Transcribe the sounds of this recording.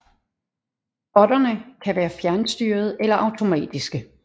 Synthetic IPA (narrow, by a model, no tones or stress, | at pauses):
b̥ɒ̽dɐnəkʰæʋæːɐfjæɐnsd̥yːɐð̞̩ˠelɐʔɑ̈ʊt͡sʰo̝mɛ̰ːd̥isɡ̥ə